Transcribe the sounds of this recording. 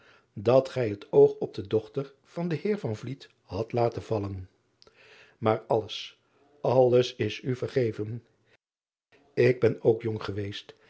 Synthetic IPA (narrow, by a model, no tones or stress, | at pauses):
dɑtχɛjɦətowχɔb̚dədɔχtəɹ | v̥ɑndəhɪːɹvɑnvlit | hɑtlaːtənvɑlən | maːɹɑləs | ɑləsɪsyvəɹχejvən | ɪɡ̚bɛnowkjɔŋχəʋejst